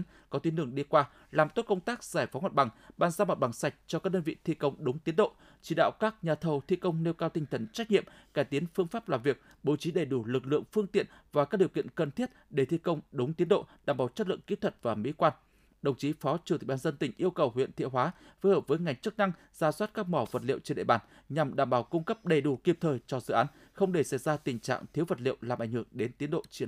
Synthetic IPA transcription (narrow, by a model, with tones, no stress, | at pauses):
n | kɔ˨˦t̪i˨˦nɗɨ˧˩əŋɗi˧kwaː˧ | laː˨˩mt̪o˦˥t̚kə˧wŋ͡mt̪aː˦˥k̚z̥aː˧˩jfɔ˨˦ŋa˨˩t̚ɓa˨˧˩ŋɓaː˨˩nzaː˧mo˨˩t̚ɓa˨˩ŋsa˨˩jk̟̚t͡ɕɔ˧kaː˦˥k̚ɗəː˧nvḭ˧˨t̪ʰḭ˧kə˧wŋ͡mɗʊ˨˦wŋ͡mt̪i˨˦ənɗo̰˧˨ | t͡ɕi˨˧˦ɗa̰ː˧˨wkaː˦˥k̚ɲaː˨˩t̪ʰə˨˩wt̪ʰḭ˧˨kə˧wŋ͡mne˧wkaː˧wt̪ï˧ŋ̟t̪ʰə˨˩nt͡ɕa˦˥k̟̚ɲḭ˧˨əm | kaː˧˩jt̪i˨˦ənfɨ˧əŋfaː˦˥p̚laː˨˩mvi˨˩ək̚ | ɓo˨˩t͡ɕi˨˦ɗe˧˩jɗu˧˩lɨ˨˩k̬̚lɨ̰˧˨əŋfɨ˧əŋt̪ḭ˧˨ənvaː˨˩kaː˦˥ɗi˨˩əwkḭ˧˨ənkə˨˩nt̪ʰi˦˥t̚ɗe˧˩t̪ʰi˧kə˧wŋ͡mɗʊ˨˦ŋ͡mt̪i˨˦ənɗo̰˧˨ɗaː˨˩mɓaː˨˩wt͡ɕə˦˥t̚lɨ̰˧˨əŋki˨˦˥t̪ʰə˨˩t̚vaː˨˩mḭ˧˥kwaː˧n | ɗə˨˩wŋ͡mt͡ɕi˨˦fɔ˨˦t͡ɕɨ˧˩t̪i˨˩ɓaː˧zə˧nt̪ï˧˩ŋ̟ʔi˧əwkə˨˩whwḭ˧˨ənt̪ḭ˧˨ɦwaː˨˦fəː˨˦həː˨˩p̚vəː˨˦jŋa˨˩jŋ̟t͡ɕɨ˦˥k̚na˧ŋ | z̥aː˨˧˩swaː˦˥t̚kaː˦˥k̚mɔ˧˩və˨˩t̚lḭ˧˨əwt͡ɕe˧nɗ̰ɓaː˧˩n | ɲa˨˩mɗaː˧˩mɓaː˧˩wkʊ˧ŋ͡mkə˦˥p̚ɗə˨˩jɗu˧˩ki˨˩əp̚t̪ʰəː˨˩jt͡ɕɔ˧zɨ̰˧˨ʔaː˨˦n | xə˧wŋ͡mɗe˧˩sa˧˩jzaː˧t̪ï˨˩ŋ̟t͡ɕa̰ː˧˨ŋt̪ʰi˨˦əwvə˨˩t̚lḭ˧˨əwlaː˨˩mʔŋ̟hɨ˧˩əŋɗe˨˦nt̪i˨˦ənɗo̰˧˨t͡ɕi˧